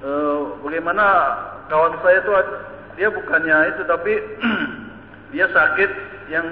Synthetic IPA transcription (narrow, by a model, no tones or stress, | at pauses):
əbaɡajmanakawanusajat̪ua | diabukanɲait̪ut̪api | diasakɪt̪̚ | jaŋ